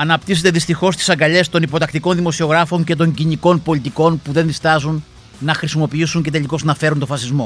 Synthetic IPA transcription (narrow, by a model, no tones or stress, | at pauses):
ɐnɐpt̪ise̞t̪eðist̪ixo̞st̪i̥sɐŋɡɐʎe̞st̪o̞nipo̞t̪ɐkt̪iko̞nðimo̞sio̞ɣɾɐfo̞ɲce̞t̪̬o̞ɲɟiniko̞npo̞lit̪iko̞npuðe̞nðist̪ɐzun | nɐxɾisimo̞piisuɲce̞t̪e̞ʎliko̞znɐfe̞ɾunt̪o̞fɐsizmo̞